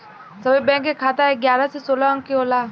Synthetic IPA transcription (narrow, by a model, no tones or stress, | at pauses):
sɐbibɛ̃ːŋkːekʰaːt̪aɦɛɡjaːɾasesoːlaə̃ŋkiɦoːlaː